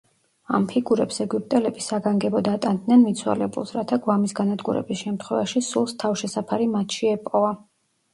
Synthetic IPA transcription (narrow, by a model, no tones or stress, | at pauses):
a̰mpʰiɡuɾɛpsɛɡup̚t̪ʼɛlɛbisaɡaŋɡɛbɔd̪at̪ʼand̪nɛnmit̪sʰwa̰lɛbṵlˠsɾat̪ʰaɡwamisɡanad̪ɡuɾɛ̰bisʃɛmt̪ʰχwɛvaʃisulˠst̪ʰafʃɛsapʰaɾimat̪ʰʃiɛpʼɔva